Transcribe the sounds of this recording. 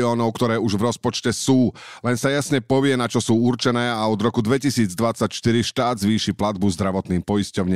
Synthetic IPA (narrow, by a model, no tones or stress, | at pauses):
ɔːnɔʊkt̪ɔɾɛːuʒvɾɔspɔt͡ʃcɛsuː | lɛnsajasɲɛpɔʋɪɛnat͡ʃɔsuːuɾt͡ʃɛnɛːaɔd̪ɾɔkud̪ʋɛcisiːd͡zd̪ʋat͡sacʃt̪iɾiʃt̪aːd̪zʋiːʃiplad̪̚buzd̪ɾaʋɔt̪niːmpɔjiscɔʊɲɛ